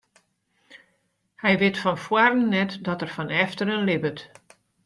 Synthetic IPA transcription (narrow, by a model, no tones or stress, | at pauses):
hɛjʋɪtfɔnfwarənnɛtdɔtərfɔnɛftəɾənlɪbət